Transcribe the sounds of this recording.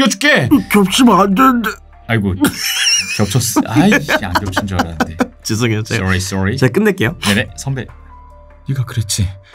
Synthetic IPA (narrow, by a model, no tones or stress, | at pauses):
jou̥k͈ekjʌp̚t͡ɕʰimandende | aɡu | kjʌp̚t͡ɕʰʌs͈aia̰nɡjʌp̚t͡ɕʰind͡ʑʌɾadet͡ɕis̬ʰoɡiot͡ɕeɔɾisɔɹit͡ɕek͈ɯnːek͈e̞jonenesʰʌmbe | niɡakɯɾet͡ɕʰi